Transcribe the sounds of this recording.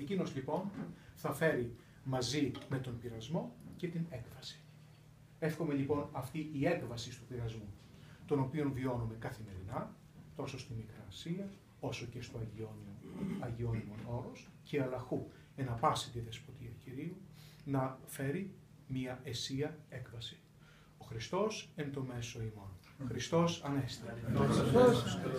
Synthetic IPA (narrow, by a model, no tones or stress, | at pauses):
ecino̞zlipo̞nθɐfe̞ɾi | mɐzime̞t̪o̞npiɾɐzmo̞ce̞t̪ine̞kvɐsi̥ | e̞fxo̞me̞ʎipo̞nɐft̪iʔie̞kvɐsist̪upiɾɐzmu | t̪o̞no̞pio̞nvio̞nume̞kɐθime̞ɾinɐ | t̪o̞so̞st̪imikɾɐːsiɐ | o̞so̞ce̞st̪o̞ɐʝionɐʝio̞nimo̞no̞ɾo̞sce̞ɐlɐxu | enɐpɐsit̪iðe̞spo̞t̪iɐciɾiunɐfe̞ɾi | miɐʔe̞siɐe̞kvɐsi̥ | o̞xɾist̪o̞sent̪o̞me̞so̞imon | xɾist̪o̞sɐne̞st̪i | s